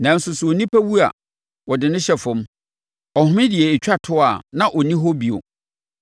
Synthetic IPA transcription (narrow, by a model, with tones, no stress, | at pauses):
nã˨˦n̩˦sʊ˨sʊ˨ɔ˨nĩ˦pʰæ˦wu˦a̰˨ | wɔ˨dɪ˨nʊ̃˦ɕɛ˦fʊ̃˦m | ɔ˨hʊ̃˦mɪ̃˦dɪ˨ɛ˨e˨t͡ɕᶣa˦tʰʊ˦a˨nã˦˨ʔɔ˨nĩ˦ɦɔ˦bi˨o̰˨